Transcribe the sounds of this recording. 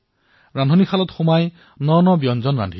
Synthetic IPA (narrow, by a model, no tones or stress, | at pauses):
ɹandʱonikʰalɔtxumaj | nɔnɔbiɔnzɔnɹa̰ndʱi